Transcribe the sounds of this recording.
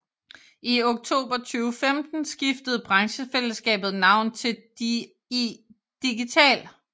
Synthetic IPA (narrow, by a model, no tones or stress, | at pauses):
ʔioɡ̥̚t͡sʰo̝̰ːb̥ɐt͡sʰyːʊfemd̥n̩sɡ̥ifd̥əð̞̩ˠb̥ʁɑ̈ŋɕəfel̰əsɡ̥ɛ̰ːb̥ð̩ˠnɑ̈ʊ̰nt͡sʰe̝̥ | d̥iɡ̥it͡sʰɛ̰ːl